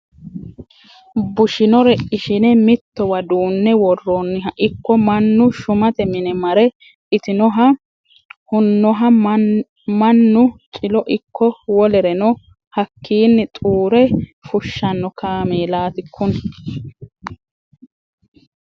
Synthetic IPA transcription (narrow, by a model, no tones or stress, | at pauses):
bʊʃɪnɔɾɛʔɪʃɪnɛmɪt̪ːɔwɐd̪uːnːɛwɔrːonːɪɦɐʔɪkːɔmɐnːʊʃʊmɐt̪ɛmɪnɛmɐɾɛ | ɪt̪ɪnɔɦɐ | hʊnːɔɦɐ | mɐnːʊt͡ʃʼɪlɔʔɪkːɔwɔlɛɾɛnɔ | hɐkːiːnːɛt̪ʼuːɾɛfʊʃːɐnːɔkʰaːmeːlaːt̪ɪkʰːʊn